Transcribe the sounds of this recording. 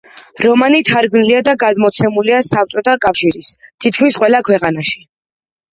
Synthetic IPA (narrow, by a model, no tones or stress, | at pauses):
ɾɔmanit̪ʰaɾɡniliad̪aɡad̪mɔt̪sʰɛmuliasapt̪sʼɔt̪ʰakʼafʃiɾist̪ʰit̪̚ʰkʰmisqʼwɛlakʰwɛqʼanaʃi̥